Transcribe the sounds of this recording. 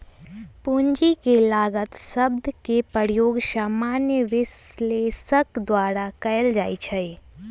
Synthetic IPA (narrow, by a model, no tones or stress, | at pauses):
puɲd͡ʒikelaːɡət̪səb̚d̪ʱkepəɾijoːɡsaːmaːnjəʋɪsleːsəkd̪waːɾakɐəld͡ʒaːit͡ʃʰɛe